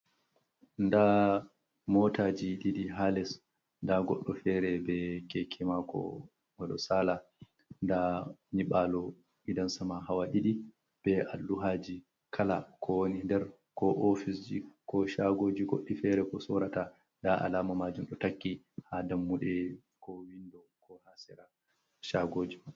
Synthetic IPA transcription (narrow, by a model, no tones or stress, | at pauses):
nda | mɔtad͡ʒiɗiɗiɦalɛs | ndaɡɔ̰ɗːɔfɛɾɛbɛkɛkʰɛmakɔ̰ | waɗɔ̰saːla | ndaniɓaːlɔ | ʔidansamahawaɗiɗi | b̥ɛa̰lːuɦad͡ʒi | kʰalakʰɔwonindɛɾ | kɔʔɔfisd͡ʒikɔʃaɡoːd͡ʒiɡoɗːifɛɾɛkɔsɔɾata | ndaʔa̰laːmamad͡ʒumɗɔtakːi | hadamːuɗɛ | kɔwindɔ | kʰɔhasɛɾa | ʃaɡoːd͡ʒima